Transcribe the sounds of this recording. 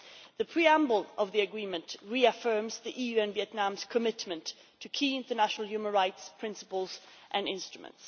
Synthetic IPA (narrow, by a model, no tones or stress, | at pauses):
ðɨpʰɹ̥iæ̃mbəl̩ˠʔʌvðiɨɡɹĩmɨ̃ntɹiɨfɜ˞mzðiʔijʉɨ̃nviɨtⁿnæ̃mz̥kʰɨmɪtmɨ̃ntʰ | ɨkʰiɪ̃ntə˞næʃnl̩ˠjʉmə̃nɹaɪtspʰɹ̥ɪ̃nsə̥pəl̩ˠz | ʔɨ̃nɪ̃nstɹ̥əmə̰̃nts